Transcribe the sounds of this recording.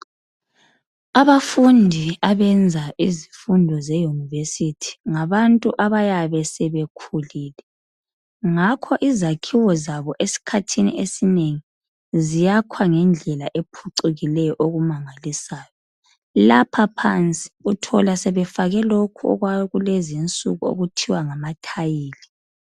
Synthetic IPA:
aβafundʱiaβɛnd͡zʱaʔizifundʱɔzejunivesitʰi̥ŋaβantʼuʔaβajaβɛsɛβekʰuliːlɛ | ŋakʰɔʔizakʰiwɔzaβɔʔesi̥kʰatʰinḭʔesineŋi | zijakʰwaŋɛnd͡ɮʱɛlaʔepʰuǀiɣilɛjɔʔoɣumaŋalisaːjɔ | lapʰapʰa̰nt͡sʼi̥utʰɔlasɛβɛfaɣɛlokʰuɔ̰ɣwajɔɣulezint͡sʼṵɣuo̰ɣutʰiwaŋamatʰajiːli

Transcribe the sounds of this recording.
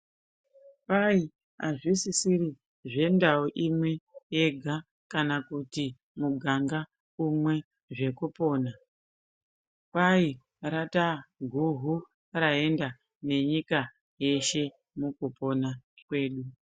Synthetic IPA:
pai | a̰ʐisisiri | ʐe̞ndaoʔimwe̞je̞ɡʱa | kanakuti | muɡʱaŋɡa | umwe̞ | ʐe̞kupo̞ːna | pai | ɾataɡʱuɦu | rae̞nda | ne̞ɲika | je̞ʃe̞ | mukupo̞nakwe̞ːɗu

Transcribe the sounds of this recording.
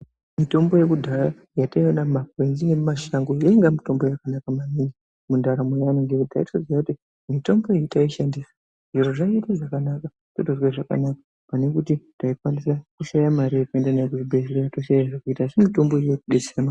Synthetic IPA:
mito̞mbo̞je̞kudʱara | jataiwanamakwenzine̞mumaʃaŋɡojaiŋɡamito̞mbojakanakamamini | mundaɾamejanoŋɡekutaitod͡zijakuti | mito̞mbo̞eitaiʃandisa | ʐ̥iɾo̞ʐaitiʐakanaka | totoswaʐaka̰nakḁ | pane̞kutitaikwanisakuʃajamaɾijekue̞ndanaak̬uʐibʱezireatoʃajaʐakuitasimito̞mbo̞ijekuɗesema

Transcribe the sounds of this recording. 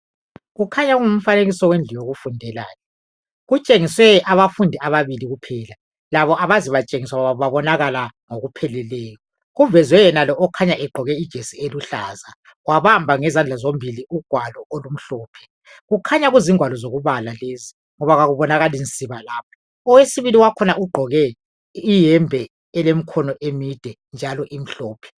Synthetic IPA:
ɣukʰaɲaɣuŋum̩faneɣisɔwend͡ɮʱijoɣufundʱɛlaːnɛ | ɣut͡ʃʼeŋiswɛaβafundʱiaβaβiliɣupʰɛːla | laβɔʔaβaziβat͡ʃʼeŋiswaβaβaβaβɔnaɣalaŋoɣupʰɛlɛlɛːjɔ | ɣuvɛzwɛjɛnalɔʔɔkʰaɲaʔɛɡ͡ǃʱɔɣɛid̥ʒ̥ʱesieluɬa̰ːza | ɣwaβambʱaŋɛzand͡ɮʱazombʱiliuɡ̥ʱwalɔʔolum̩ɬɔːpʰɛ̥ | ɣukʰaɲaɣuziŋwalɔzoɣuβalalezi | ŋɔβaɣaɣuβɔnaɣalint͡sʼiβalaːp̚ʰḁ | ɔwesiβiliwakʰɔnaʔuɡ͡ǃʱɔɣɛ | ijɛmbʱɛ | ɛlem̩kʰɔnɔʔemid̥ʱɛ | nd͡ʒʱalɔʔim̩ɬɔːpʰɛ̥

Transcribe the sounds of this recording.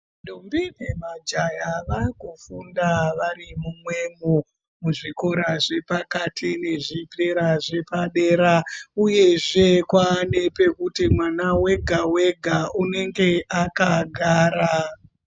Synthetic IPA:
ɗumbine̞mad͡ʒajaʋaikufundaʋarimumwe̞mo | muʐiko̞ɾaʐe̞pakatʰine̞ʐipeɾaʐe̞paɗe̞ːɾauje̞ʐe̞kwaːne̞pe̞kutimwanawe̞ɡʱawe̞ɡʱaune̞ŋɡe̞ʔakaɡʱaːɾa

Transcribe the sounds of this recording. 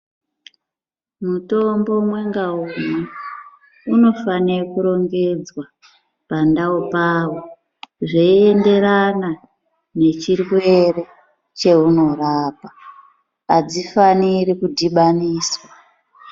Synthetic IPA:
muto̞mbo̞mwe̞ŋɡaume | uno̞fanekuɾo̞ŋɡe̞d͡zwa | pandaopaːwo | ʐeie̞nde̞ɾana | ne̞t͡ʃirwe̞re̞ | t͡ʃe̞uno̞raːpa | ad͡zifaniɾikudʱiɓaniːswa

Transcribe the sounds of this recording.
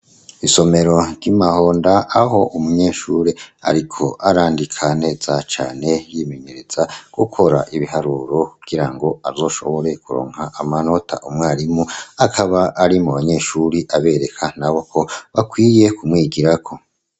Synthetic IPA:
iso̞me̞ɾo̞ɾɟimaho̞ːndaːho̞ʔumuɲe̞ːʃuɾea̰ɾikʰo̞ʔaɾaːndikʰane̞ːz̥at͡ʃa̰ːne̞jime̞ɲe̞ɾe̞z̥aɡ̥ukʰo̞ɾaʔiβiɦaɾuɾo̞kuɡ̥iɾaŋɡo̞azo̞ːʃo̞̰βo̞ɾekuɾo̞̰ːŋhaʔamano̞tʰa̰ʔumŋaːɾimuakʰaβaʔːɾimuβaɲe̞ʃuɾiʔaβe̞ɾe̞kʰanaβo̞kʰo̞βakwiːje̞kumŋiːɡiɾakʰo̞

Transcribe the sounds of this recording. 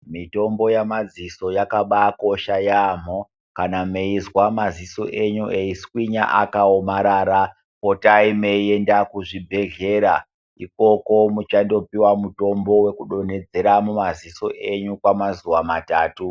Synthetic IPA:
mito̞mbo̞jamad͡ziso̞jakaɓako̞ʃajaːm̤o | kanameizwamaziso̞ʔe̞ɲuʔeiskwiɲa̰ʔakaomaɾaːɾa | potaimeiendakuʐibʱe̞ɮe̞ɾa | iko̞ko̞mut͡ʃando̞piwamuto̞mbo̞we̞kuɗo̞ne̞d͡ze̞ɾamumaziso̞ʔe̞ɲukwamazuwamataːtu

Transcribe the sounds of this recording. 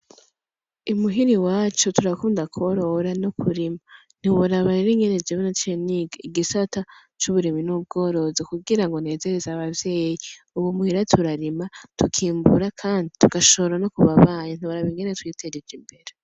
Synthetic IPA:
umuɦiɾiwaːt͡ʃutuɾakuːndakʰoɾoɾanokʰuɾima | n̥iwuɾaβaɾiɾiŋɡened͡ʒeβenat͡ʃeniɡaiɡisata | t͡ʃuβuɾiminub̚ɡo̞ːɾo̞zekuɡiɾaŋɡo̞ne̞ːze̞ɾezaβavje̞ːji | uwumuhiɾatʰuɾaɾimatʰukʰiːmbuɾakʰaːndituɡaʃooɾano̞kuβaβaːɲen̥iwaɾaβiŋɡenetwiːtʰeɾid͡ʒimbe̞ɾe

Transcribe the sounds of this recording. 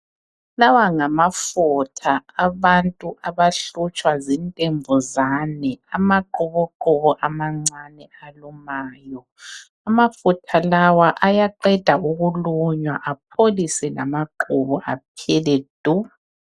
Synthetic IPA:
lawaŋamafutʰaːβantʼuʔaβaɬut͡ʃʼwazintʼembʱuzaːnɛamaǃuβɔǃuβɔʔamaŋ͡ǀanɛalumaːjɔ | amafutʰalawaʔajaǃɛd̥ʱauɣuluɲwa̰ʔap̚ʰolisɛla̰maǃuβɔʔap̚ʰɛlɛd̥ʱu

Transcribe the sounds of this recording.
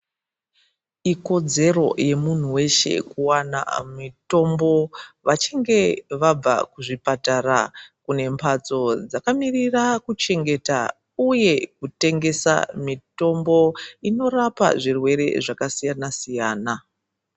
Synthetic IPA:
iko̞d͡ze̞ro̞̰je̞mun̤uwe̞ʃe̞̰kuwana̰mito̞mbo̞ʋat͡ʃiŋɡe̞ʋab͡va̰kuʐipataɾa̰kune̞mpʰat͡so̞d͡zakamirirakut͡ʃe̞ŋɡe̞ta̰ | uje̞kute̞ŋɡe̞sa̰mito̞mbo̞ino̞rapa̰ʐirwe̞ɾe̞̰ʐakasijanasijaːna

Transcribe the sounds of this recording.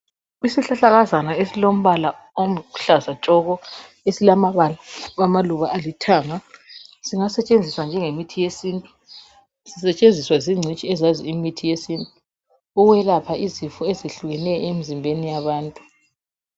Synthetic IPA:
isiɬaɬaɣazanaesilom̩βala | omuɬazat͡ʃʼɔɣɔ | esilamaβalaamaluβaʔalitʰaːŋasiŋasɛt͡ʃʼend͡zʱiswand͡ʒʱɛŋemitʰijesiːntʼu̥ | sisɛt͡ʃʼend͡zʱiswaziŋ͡ǀʱit͡ʃʼiɛzaziimitʰijesiːntʼu | ɔɣwɛlapʰaizifɔezeɬuɣɛnɛjemizimbʱenijaβaːntʼu

